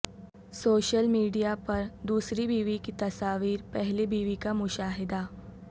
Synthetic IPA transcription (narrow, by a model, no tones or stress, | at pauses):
soːʃəlmiːɖijapɐɾd̪uːsɾibiːʋikit̪ɐsaːʋiːɾpɛɦlebiːʋikamʊʃaːɦɪd̪a